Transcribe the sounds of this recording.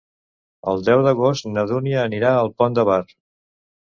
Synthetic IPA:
ə̰lˠd̪ɛwd̪əɣost̪nəðuniəːniɾaəlˠpɔnd̪əβar

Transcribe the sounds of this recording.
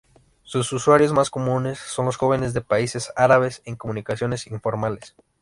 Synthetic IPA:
sususwaɾjo̞zmasko̞mũne̞sːo̞nlosxo̞βe̞nezðe̞paise̞saɾaβe̞se̞ŋko̞mũnikasjo̞ne̞siɱfo̞ɾmale̞s

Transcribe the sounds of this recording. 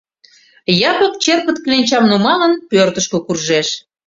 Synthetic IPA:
jɑpək̚t͡ɕerpət̪̚klenʲt͡ɕɑmnumɑlənpørt̪əʃkøkurʒeʃ

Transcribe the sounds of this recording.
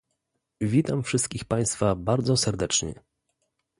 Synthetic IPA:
vʲit̪amfʂɘst̪̚kʲixpaj̃st̪fabaɾd̪zɔsɛɾd̪ɛt͡ʂɲɛ̰

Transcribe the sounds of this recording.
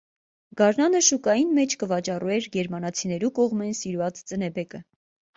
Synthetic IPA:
ɡ̥ɑɾnɑnəʃukɑjinmɛt͡ʃʰkəvɑt͡ʃɑruɛɾɡɛɾmɑnɑt͡sʰinɛɾukɔʁmɛnsiɾvɑt͡st͡sənɛbɛkə

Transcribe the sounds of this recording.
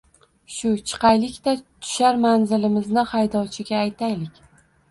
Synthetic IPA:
ʃʊt͡ʃʰɨ̥qɑjlɪkʲt̪at̪ʰʊ̥ʃaɾmanzɪlɪmɪznɪχajd̪ɒwt͡ʃʰɪɡʲaːjt̪ʰajlɪkʲ

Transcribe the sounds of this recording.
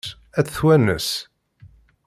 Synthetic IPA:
æt͡sːθwænə̰s

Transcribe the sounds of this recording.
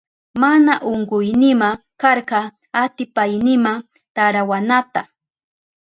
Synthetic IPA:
manaʔoɴɢʊjnɪma | kɑɾqɑ | at̪ɪpajnɪmaŋ | t̪aɾawanat̪a

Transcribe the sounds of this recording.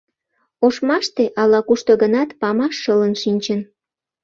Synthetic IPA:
oʃmɑʃt̪eʔɑlɑkuʃt̪oɡənɑt̪pɑmɑʃːələnʃinʲt͡ɕən

